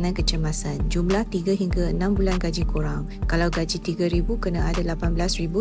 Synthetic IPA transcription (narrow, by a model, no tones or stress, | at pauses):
ŋãnkət͡ʃəmasand͡ʒumlaht̪iɡaɦiŋɡaənãmbulanɡad͡ʒikuɾaŋ | kalawɡad͡ʒit̪iɡaɾibukənaadalapanbəlasribu